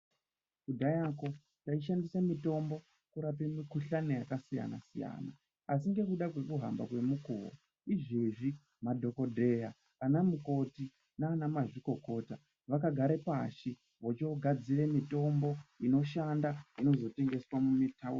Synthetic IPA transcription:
kudʱajako̞ | taiʃandisamito̞mbo̞ | kuɾapemikuɬanejakasija̰na̰sija̰ːna̰ | asiŋɡe̞kuɗakwe̞kuɦa̰mba̰kwe̞mukuwo̰ | iʐiʐi | madʱo̞ko̞dʱe̞jaː | namuko̞ti | naːnamaʐiko̞ko̞ta | ʋakaɡʱaɾe̞paʃi | ʋot͡ʃeoɡʱad͡zire̞mito̞mbo̞ino̞ʃandaino̞zo̞te̞ŋɡe̞swamumitʰau

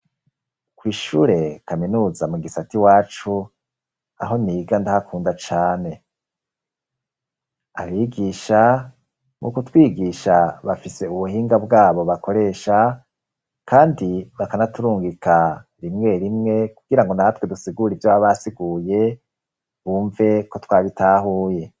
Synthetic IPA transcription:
kwiːʃuːɾe̞kaminuːzamuɡisatiwaːt͡ʃu | a̰ɦo̞niːɡandahakʰuːndat͡ʃaːne̞ | a̰βiɡiːʃa | mʔṵkutwiːɡiʃaβafise̞uβuhiːŋɡabɡaːβo̞βako̞ɾe̞ːʃa | kʰaːndiβakanatuɾuːŋɡikaɾimŋe̞ɾimŋe̞kuɡ̥iɾaŋɡo̞nahatwedusiɡuɾivjaβaβasiɡuːje̞ | βuːɱve̞ko̞twaːβitʰaːɦuːje̞

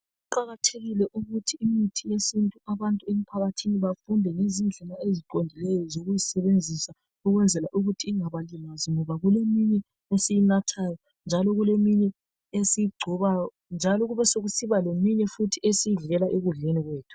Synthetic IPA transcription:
uǃaɣatʰeɣilɛʔuɣutʰiːmitʰijesintʼuaβantʼuem̩pʰaɣatʰiniβafundʱɛŋezind͡ɮʱimaeziǃondʱilɛjɔzoɣujisɛβend͡zʱisa | uɣwɛnd͡zʱɛlaʔuɣutʰiiŋaβalimaziŋɔβaɣulemiɲɛ | esijinatʰaːjɔ | nd͡ʒʱalɔɣulemiɲɛ | esijiɡ͡ǀʱɔβajɔ | nd͡ʒʱalɔɣuβɛsoɣusiβalemiɲɛfutʰiesijiɮɛlaʔeɣuɮeniɣweːtʰu̥

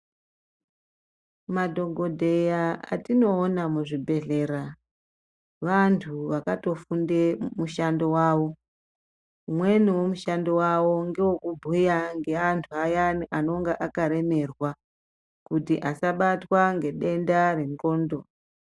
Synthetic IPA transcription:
madʱo̞ɡʱo̞dʱe̞jaa̰tino̞ːnamuʐibʱe̞ɮe̞ːɾa | ʋantʰuʋakato̞fundemuʃando̞waːʋo | umwe̞niwo̞muʃando̞wawo̞ŋɡewokubʱujaŋɡe̞antʰuajaano̞ŋɡeʔakaɾe̞me̞rwa | kutiʔasaɓatwaŋɡe̞ɗe̞ndare̞ŋko̞ːndo̞

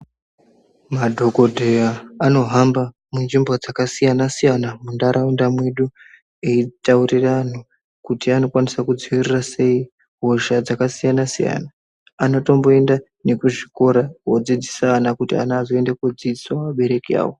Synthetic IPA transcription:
madʱo̞ɡo̞dʱe̞jaːno̞ɦamba | mund͡ʒimbo̞d͡zakasijanasijanamundaɾaundamwe̞ɗu | eitauriran̤u | kutiano̞kwanisakud͡ziwirirase̞i | ɦo̞ʒad͡zakasijanasija̰naː | no̞to̞mbo̞e̞nda | ne̞kuʐiko̞ɾaod͡zid͡zisaːnakutia̰naazoe̞ndekwod͡zid͡ziswamaɓe̞ɾe̞kia̰ːwo

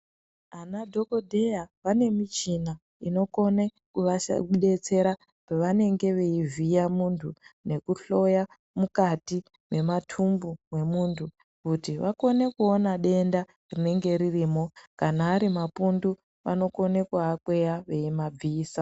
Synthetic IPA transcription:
anadʱo̞ko̞dʱe̞jaʋane̞mit͡ʃina | ino̞ko̞ne | kuʋa̰uɗe̞t͡se̞ɾa | peʋane̞ŋɡe̞ʋe̞ivijamuntʰune̞kuɬo̞ja | mukati | me̞matʰumbumwe̞muːntʰu | kutiʋako̞ne̞kuo̞naɗe̞nda | rine̞ŋɡe̞ɾiriːmo̞kanaːɾimapundu | ʋa̰no̞ko̞ne̞kuakwe̞jaʋe̞imab͡viːsa

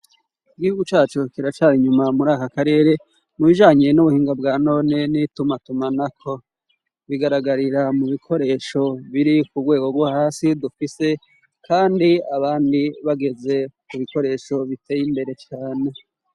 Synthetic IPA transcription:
iɡihuɡut͡ʃaːt͡ʃukiɾat͡ʃaiɲumamuɾaːkakaɾe̞ːɾe̞ | muβiʒaːɲenuβuhiːŋɡab̚ɡaːno̞ːne̞nitumatumanakʰo̞ | βiɡaɾaɡaɾiɾamuβikʰo̞ɾe̞ːʃo̞βiɾikubɡwe̞ːɡo̞ɡwahaːsidufise̞ | kʰaːndiaβaːndiβaɡe̞ze̞kuβiko̞ɾe̞ʃo̞βite̞ːjimbe̞ɾe̞t͡ʃaːne̞

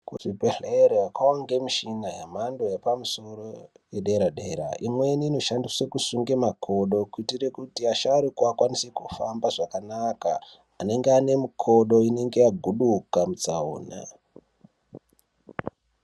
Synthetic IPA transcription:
kuʐipeɮeɾekaoŋɡe̞miʃinajamando̞jepamuso̞ro | jeɗe̞ɾaɗe̞ːɾa̰ʔimwe̞niːno̞ʃandiswekusuŋɡemakʰo̞ɗo̞kuitirekutiaʃaːɾikuakwanisekufambaʐakanaka̰ː | ne̞ŋɡeane̞mukʰo̞ɗo̞ine̞ŋɡe̞jaɡʱuɗukamut͡sao̰ːna̰

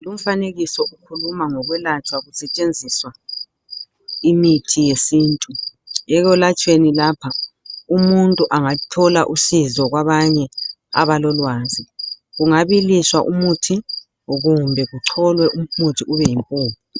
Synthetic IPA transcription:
lum̩faneɣisɔʔukʰulumaŋɔɣwɛlat͡ʃʰʼwaɣusɛt͡ʃʼend͡zʱiswa | imitʰijesiːntʼuɛɣɔlat͡ʃʼwenilaːpʰaumuntʼuʔaŋatʰɔlaʔusizɔɣwaβaɲɛ | a̰βalɔlwaːzi | ɣuŋaβiliswaʔumutʰi | ɣumbʱɛɣuǀʰɔlwɛʔumutʰiuβɛjimpʼuːmu

